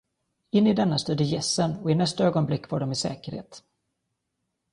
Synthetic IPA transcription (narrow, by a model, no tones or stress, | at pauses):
ɪnːɪd̪ɛnːast̪øːd̪əjɛsːənɔɪnɛst̪aøːɡɔnblɪkːvaːɖɔmɪsɛ̰ːkəɾhḛːt̪